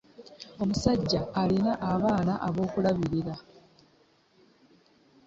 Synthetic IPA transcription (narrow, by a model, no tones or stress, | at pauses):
o̞musaɟːaːlinaʔaβaːnaʔaβo̞ːkulaβiɾiɾa